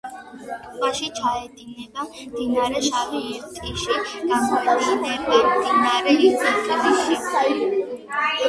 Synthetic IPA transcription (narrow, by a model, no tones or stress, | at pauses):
t̪ulaʃit͡ʃʰaɛd̪inɛbamd̪inaɾɛʃaviɛɾt̪ʼkʼiʃiɡ̥aχɛd̪anɛmɛmd̪inaɾɛisʰit̪qʼibiʃi